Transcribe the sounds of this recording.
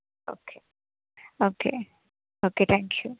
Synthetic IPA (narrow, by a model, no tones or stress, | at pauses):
o̰ːkʰe | oːke | oket̪ʰæ̃ŋkʰju